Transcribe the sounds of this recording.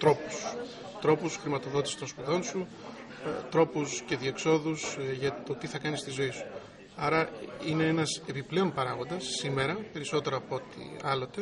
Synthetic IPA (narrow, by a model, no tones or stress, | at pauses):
t̪ɾo̞pu̥s | t̪ɾo̞pusxɾimɐt̪o̞ðo̞t̪i̥si̥t̪o̞nspuðo̞nsu | t̪ɾo̞pusce̞ðie̞kso̞ðusʝɐt̪o̞t̪iθɐkɐnist̪izo̞isu̥ | ɐɾɐine̞enɐse̞piple̞o̞npɐɾɐɣo̞nd̪ɐsːime̞ɾɐpe̞ɾiso̞t̪e̞ɾoːpoo̞t̪ḭɐlo̞t̪e̞